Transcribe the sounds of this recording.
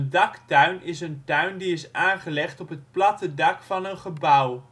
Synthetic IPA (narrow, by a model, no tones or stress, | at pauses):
ndɑktœɥnɪsəntœɥndiɪsaːnχəlɛχtɔpɦət̚plɑtədɑkfɑnənχəbʌw